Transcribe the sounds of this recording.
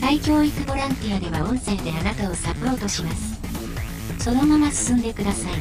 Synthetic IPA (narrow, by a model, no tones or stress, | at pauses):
kaikʲo̞ːit͡sɨbo̞ɾãnt̪iad̪e̞βa̰õ̞ɰ̃se̞ːd̪e̞anat̪ao̞sapo̞ːt̪o̞ɕimasɨ̥ | so̞no̞mamasɨ̥sɨ̃nd̪e̞kɯ̟d̪asai